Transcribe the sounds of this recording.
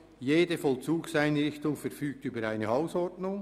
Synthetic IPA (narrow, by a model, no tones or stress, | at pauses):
jeːdəfɔlt͡suːksaɪnɾɪçtʊŋfɛɾfyːk̚tyːbəɾaɪnəaʊsɔɾdnʊŋ